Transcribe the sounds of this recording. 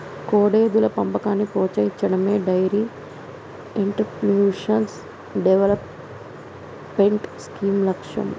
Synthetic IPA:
koːɽeːd̪ulɐpɐmpɐkaːnːipoːt͡ʃɐjit͡ʃːɐɽɐme̞ːɖɐjɐɾi | iɳʈɐɾpjuːʂɐns | ɖeʋelɐp | eɳʈskiːmlɐkʂjɐ̰m

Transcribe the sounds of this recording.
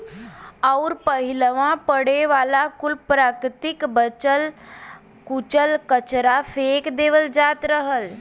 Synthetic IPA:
auɾpəɦiləʋãpəɽeʋaːlakʊlpɾakɾt̪ɪkbət͡ʃəl | kut͡ʃəlkət͡ʃɾafʰekd̪eːʋəld͡ʒaːt̪ɾəɦəl

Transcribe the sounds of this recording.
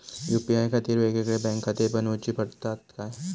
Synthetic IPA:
juːpiaːjkʰɐt̪iːɾʋeːkekɽebɛ̃ːŋkʰːɐt̪iːɾbɐnot͡ʃipɐɾt̪at̪ka

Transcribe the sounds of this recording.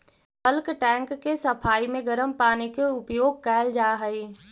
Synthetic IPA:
pəlkʈɛ̃ːŋkːesɐpʰaːimẽɡɐɾəmpaːnikeʊpjoːɡ̚kɛːld͡ʒaːɦəi

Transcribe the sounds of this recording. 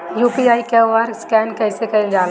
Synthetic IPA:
juːpiaːikɛʋaɾskɛːnkɛːsekɐĩd͡ʒaːl

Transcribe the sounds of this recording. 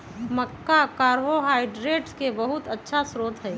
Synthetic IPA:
məkːakaːɾʋoɦaːɪɖɾeːʈskebəɦʊt̪ətːʃʰasɾoːt̪ɦɛː

